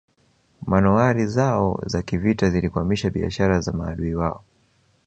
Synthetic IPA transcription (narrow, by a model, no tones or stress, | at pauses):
manuaɾizaɔ̰zakivitazilikuamiʃaɓia̰ʃaɾazamaːɗuiwaɔ